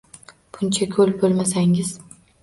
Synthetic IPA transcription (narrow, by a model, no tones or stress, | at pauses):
b̥ʊnt͡ʃʰakʲʰɵlbolˠmasaŋɪz